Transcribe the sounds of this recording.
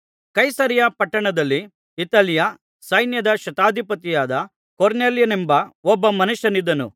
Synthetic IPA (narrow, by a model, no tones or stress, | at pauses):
kɐjsɐɾjɐpɐʈːɐɳɐd̪ɐlːi | it̪ɐljɐ | sɐjnjɐd̪ɐʃɐt̪aːd̪ʱipɐt̪ijaːd̪ɐ | koɾneːljɐnɛmbɐɔbːɐmɐnuʃɐnid̪ːɐnṵ